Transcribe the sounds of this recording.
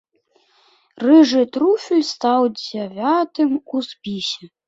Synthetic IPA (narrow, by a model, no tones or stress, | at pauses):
rɨʐɨt̪ɾufʲilʲst̪ɑwd͡zʲavʲat̪ɨmuspʲisʲɛ